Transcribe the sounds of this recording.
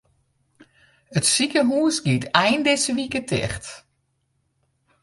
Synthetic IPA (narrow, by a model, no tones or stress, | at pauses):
ətsikəɦuəsɡitɛjndɪsəʋikətʰɛ̰xt